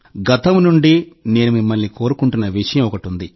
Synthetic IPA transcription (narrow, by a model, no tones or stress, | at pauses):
ɡɐt̪ɐmnuɳɖine̞ːnumimːɐlːiko̞ːɾukuɳʈunːɐʋiʂɐjɐmɔkɐʈund̪i